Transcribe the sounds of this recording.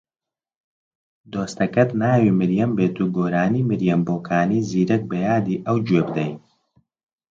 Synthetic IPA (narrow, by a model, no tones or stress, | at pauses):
d̪oːst̪ɐkɐt̪naːwiːmɨɾjɐmbeːt̪uːɡoːɾaːniːmɨɾjɐmboːkʰaːniːziːɾɐk̚bɐjaːd̪iːʔɐwd͡ʒwebd̪ɐj